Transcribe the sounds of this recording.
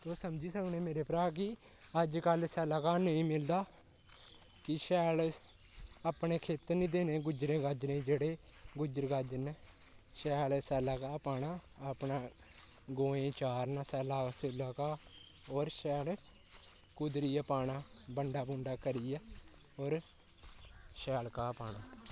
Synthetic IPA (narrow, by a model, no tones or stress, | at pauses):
t̪oːsəmd͡ʒiːsəkneːmeːɾeːpɾaːk̬ɪ | əd͡ʒkəlsɛːlaːkaːnəĩːmɪld̪aː | kɪʃɛːl | aːpneːkʰeːt̪əɾnĩːd̪eːneːɡʊd͡ʒɾẽːɡaːd͡ʒnẽːd͡ʒeːɽeː | ɡʊd͡ʒəɾɡaːd͡ʒneː | ʃɛːlsɛːlaːkaːpaːnãːpnaː | ɡõːẽːt͡ʃaːɾnaːsɛːlaːsʊlaːkaː | ɔːɾʃɛːl | kʊd̪ɾiːjaːpaːɳãː | bəɳɖaːbʊ̃ːɳɖaːkəɾijaː | ɔːɾ | ʃɛːlkaːpaːɳaː